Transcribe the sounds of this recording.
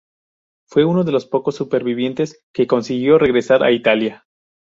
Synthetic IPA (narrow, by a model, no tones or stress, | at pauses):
fwe̞uno̞ðe̞lo̞spo̞ko̞sːupe̞ɾβiβ̞je̞nt̪e̞ske̞ko̞nsiɣjo̞re̞ɣɾe̞saɾa̰it̪alja